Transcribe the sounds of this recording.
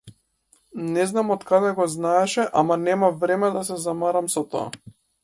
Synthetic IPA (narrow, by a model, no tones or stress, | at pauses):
nɛznamɔt̪kad̪ɛɡɔznaɛʃɛʔamanɛmavɾɛmɛd̪as̬ɛzamaɾamsɔt̪ɔ̰a̰